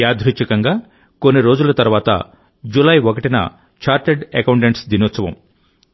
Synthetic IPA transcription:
aːd̪ʱɾit͡ʃɐkɐŋɡaː | ko̞nːiɾo̞ːd͡ʒulɐt̪ɐɾʋaːt̪ɐ̰ | d͡ʒulɐjokɐʈinɐ̰ | t͡ʃaːɾʈeɖɐkɐwɳʈeɳʈsd̪inoːt̪sɐʋɐ̰m

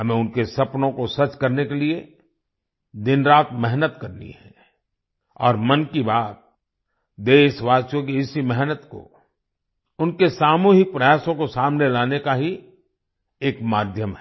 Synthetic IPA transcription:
ɦɐmẽʊnkesɐpnõkosɐt͡ʃkɐɾnekelie | d̪ɪnɾaːt̪mɛɦnət̪kɐɾnḭɦɛ̰ | ɔ̰ːɾmɐnkibaːt̪̚ | d̪eːʃʋaːt͡ʃõkiɪsimɛɦnət̪ko̰ | ʊnkesaːmuːɦɪk̚pɾɐjaːsõkosaːmnelaːnekaɦi | eːkmaːd̪ʱjəmɦɛ

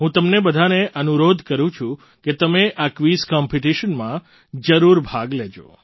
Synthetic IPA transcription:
ɦũt̪əmnebəd̪ʱaneʔənuɾod̪ʱkəɾũt͡ʃʰũ | ket̪əmeʔakʋiskɔmpʰiʈiʃənmã | d͡ʒəɾuɾbʱaɡled͡ʒo̰

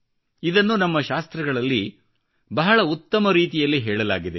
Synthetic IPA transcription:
id̪ɐnːunɐmːɐʃaːst̪ɾɐɡɐɭɐlːi | bɐɦɐɭɐut̪ːɐmɐɾiːt̪ijɐlːiɦɛːɭɐla̰ːɡid̪e

